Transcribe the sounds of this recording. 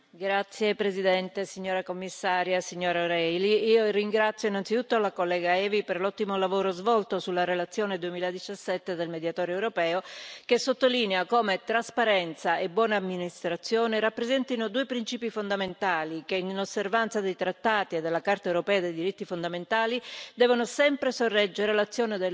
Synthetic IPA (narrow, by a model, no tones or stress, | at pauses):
ɡɾat̪sːjepɾezid̪ɛnt̪esiɲːoːɾakomːisːaːɾjasiɲːoːɾaoɾɛjliiːoriŋɡɾat̪sːjoinant̪sit̪ut̪ːoalakolːɛːɡaɛːviperlɔt̪ːimolavoːɾozvɔlt̪osulːaɾelat̪sːjoːned̪uemiːlad̪it͡ʃasːɛt̪ːed̪elmed̪jat̪ɔːɾoewɾopɛːokesot̪ːolineakoːmet̪ɾaspaɾɛnt̪saebwɔːnaːmːinist̪ɾat̪sːjoːneɾapːɾezɛnt̪inod̪uepɾint͡ʃiːpifond̪ament̪aːlikeinnosːervant̪sad̪ejt̪ɾat̪ːaːt̪ied̪ːelːakart̪aewɾopɛːad̪ejd̪iɾit̪ːifond̪ament̪aːlid̪ɛːvonosɛmpɾesorːɛd͡ʒːeɾelat̪sːjoːned̪e